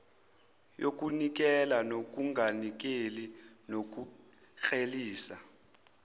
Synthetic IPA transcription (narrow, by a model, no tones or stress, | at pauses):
jok̬ʼunik̬ʼɛlanok̬ʼuŋʱanik̬ʼeli | nok̬ʼu | xeliːsa